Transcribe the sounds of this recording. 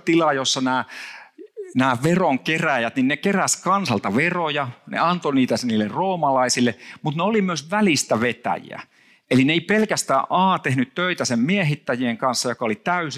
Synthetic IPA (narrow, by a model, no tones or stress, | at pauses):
t̪ilɑjosːɑnæː | næːʋeroŋkeræjæt̪ninnekeræskɑnsɑlt̪ɑʋerojɑnḛɑnt̪oniːt̪æsniːlːerroːmɑlɑisilːˑemut̪neolimyøsʋælist̪æʋet̪æ̰jḭæ̰ | elineipelkæst̪æːʔʔɑːt̪ehnyt̪tøit̪æsemmiehit̪ːæjieŋkɑnsːɑjokɑolit̪æys